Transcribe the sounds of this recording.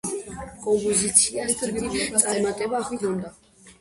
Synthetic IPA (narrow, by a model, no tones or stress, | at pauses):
kʼɔmpʼɔzit̪sʰiait̪ʰuɾɡiɾiaɾmat̪ʼɛbaχid̪ɔnd̪a